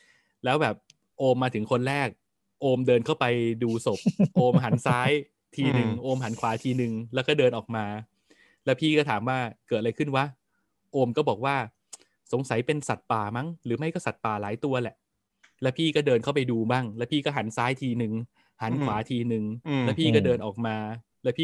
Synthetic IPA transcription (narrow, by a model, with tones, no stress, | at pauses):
lɛː˦˥wbɛː˨˩p̚ | ʔoː˧mːaː˧t̪ʰɯ˩˦ŋkʰo˧nɾɛː˥˩k̚ | ʔoː˧mdɤː˧nkʰa˥˩wpa˧jduː˧so˨˩p̚ʔoː˧mɦa˩˦nsaː˦˥j | t̪ʰiː˧nɯ˨˩ŋʔoː˧mɦa˩˦nkʰwaː˩˦t̪ʰiː˧nɯ˨˧ŋlɛː˦˥wkɔː˥˩dɤː˧nʔɔː˨˩k̚maː˧ | lɛː˦˥wpʰiː˥˩kɔː˥˩t̪ʰaː˩˦mwaː˥˩kɤː˨˩t̪̚a˧ɾa˧jkʰɯ˥˩nwa˦˥˩ | ʔoː˧mkɔː˥˩bɔː˨˩k̚waː˥˩ | so˩˦ŋsa˩˦jpe˧nsa˨˩t̪̚paː˨˩ma˦˥˩ŋɾɯː˩˦ma˥˩jkɔː˥˩sa˨˩t̪̚paː˨˩laː˩˦jt̪u˧ɐlɛ˨˩ʔ | lɛː˦˥wpʰiː˥˩kɔː˥˩dɤː˧nkʰa˥˩wpa˧jduː˧baː˥˩ŋlɛ˦˥wpʰiː˥˩kɔː˥˩ɦa˩˦nsaː˦˥jt̪ʰiː˧nɯ˨˩ŋ | ha˩˦nkʰwaː˩˦t̪ʰiː˧nɯ˨˩ŋlɛː˦˥wpʰiː˥˩kɔː˥˩dɤː˧nʔɔː˨˩k̚maː˧ | lɛ˦˥wpʰiː˥˩